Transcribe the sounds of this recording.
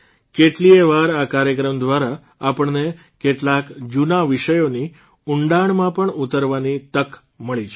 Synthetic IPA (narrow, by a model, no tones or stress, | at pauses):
keʈlieʋaɾakaɾjəkɾəmd̪ʋaɾaː | pəɳne | keʈlakd͡ʑunaʋiʂəjoni | uɳɖaɳmãpəɳut̪əɾʋanit̪ək | məɭit͡ʃ